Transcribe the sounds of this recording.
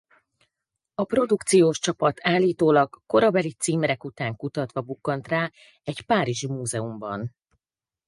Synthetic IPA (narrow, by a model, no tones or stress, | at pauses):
ɒpro̞d̪ukt̪sijoːʃt͡ʃɒpɒt̪ʰaːlːiːt̪oːlɒɡːo̞ɾɒbɛlit̪siːmɾɛkut̪aːŋkut̪ɒt̪ʋɒbukːɒnt̪raː | ɛɟpaːɾiʒimuːzɛumbɒ̰n